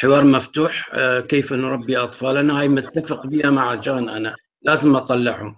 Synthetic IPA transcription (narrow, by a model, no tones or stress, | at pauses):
ħɪwɑːɾˤmaft̪uːħkeːfʔɪnːɾˤɑbːiʔɑt̪ˤfɑːlanahaːjmʊt̪ːafɪqbihamaʕad͡ʒaːnʔana | laːzɪmʔɑt̪ˤɑlːɪʕʊ̰